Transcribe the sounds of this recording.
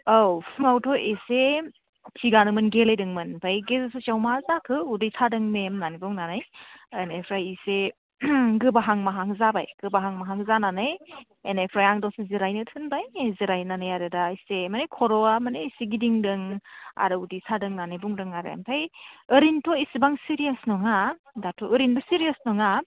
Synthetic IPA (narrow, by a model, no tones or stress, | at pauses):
awpʰmawtʰɔʔese | tʰiɡanɯŋmɯnɡelajdɯŋmɯnpʰajɡezɯsɯt͡ʃawmazakʰɯudijsadɯŋmemnanibuŋnanajenepʰɾajise | ɡɯbaɦaŋmaɦaŋzabajɡ̥ɯbaɦaŋmaɦaŋzananɯj | ḛnepʰɾajaŋdɔsiziɾajnɯtʰɯnbajziɾajnanɯjaɾɯdaisemanejkʰɔɾɔamaneːsiɡidiŋdɯŋa̰ɾɯudisadɯŋnanɯjbuŋɾɯŋaɾḛmpʰajɯɾintʰɔisibaŋsiɾijasnɔŋa | datʰɔɯɾinbɔsiɾijasnɔŋa